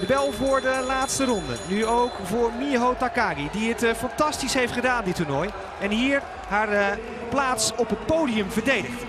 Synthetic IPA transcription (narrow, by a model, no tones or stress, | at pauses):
dəbɛlˠvʊːɹdəlaːtstəɾɔndə̰nyowkvʊːɹmiɦowtakaːɡidiətfɑntɑstisɦejftχədaːndɪtːʊɹnɔj | ɛnɦiːɹ | ɦaːɹ | plaːtsɔpɦət̚powdijəmvəɹdejdəχt